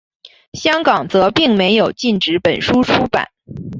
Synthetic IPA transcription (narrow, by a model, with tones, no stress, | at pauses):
ɕjɑ˥ŋkɑ˨˩ŋt͡sɤ˧˥pi˥˩ŋme˧˥ɪjo˨˩ʊt͡ɕi˥˩nʈ͡ʂɻ̩˧˥pə˨˩nʂu˥ʈ͡ʂʰu˥pa̰˨˩˦n